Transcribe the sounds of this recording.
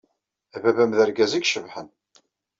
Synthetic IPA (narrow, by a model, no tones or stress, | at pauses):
ævævæmðæɾɡæzæɡʃəvħən